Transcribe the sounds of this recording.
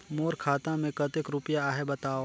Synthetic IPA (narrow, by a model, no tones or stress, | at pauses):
moːɾkʰaːt̪ãmẽkɐt̪ɪkɾʊpjaaːɦebɐt̪aːo